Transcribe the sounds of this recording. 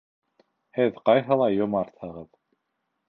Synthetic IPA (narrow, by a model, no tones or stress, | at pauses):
hɘðqɑjɦɤlˠɑjomɑɾt̪hɤʁɤð